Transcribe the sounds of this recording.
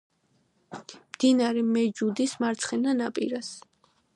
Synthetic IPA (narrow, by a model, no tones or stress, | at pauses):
md̪̥inaɾɛmɛd͡ʒud̪ismaɾt̪sʰχɛnanapʼḭɾas